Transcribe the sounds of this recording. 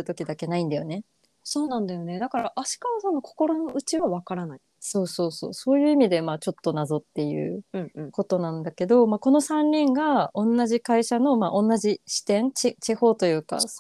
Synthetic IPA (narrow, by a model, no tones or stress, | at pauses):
ɯ̟t̪o̞kʲid̪ake̞naĩnd̪ajo̞̰ne̞ | so̞ːnãnd̪ajo̞ne̞d̪akaɾaʔaɕi̥kaβasono̞kʰo̥ko̞ɾo̞no̞ɯ̟t͡ɕiβaβakaɾanai | so̞ːso̞ːso̞̰ːso̞ːjɯ̟ːimʲid̪e̞maːt͡ɕo̞t̪ːo̞nazo̞t̪ːe̞jɯ̟̰ːɯ̟̃ɯ̃ko̞t̪o̞nãnd̪ake̞d̪o̞maːko̞no̞sãɲʲːĩŋɡaõ̞nːaʑikaiɕano̞maːʔõ̞nːaʑiɕi̥t̪ẽ̞nt͡ɕit͡ɕiho̞ːt̪o̞jɯ̟ːka̰